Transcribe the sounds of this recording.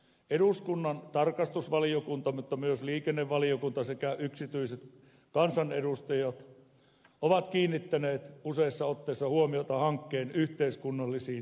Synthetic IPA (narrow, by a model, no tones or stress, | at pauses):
eɾuskunːɑnt̪ɑrkɑst̪usʋɑliokunt̪ɑmut̪ːɑmyøsliːkenːeʋʋɑliokunt̪ɑsekæʔyksit̪yiset̪ | kɑnsɑneɾust̪ɑjɑt̪ | oʋɑt̪kiːnːit̪ːæneːt̪useisːɑot̪ːeːsːɑhuomiot̪ɑhɑŋkːeːnyht̪eiskunːɑlːisiː